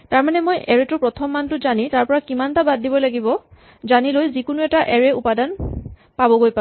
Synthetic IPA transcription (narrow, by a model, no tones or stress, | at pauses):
taɹmanɛmojʔɛɹetʊpɹɔtʰɔmːantʊzanitaɹpɔɹakimantabaddibɔlaɡibɔ | zanilojzikʊnuɛtaʔɛɹɛupadan | pabɔɡojpa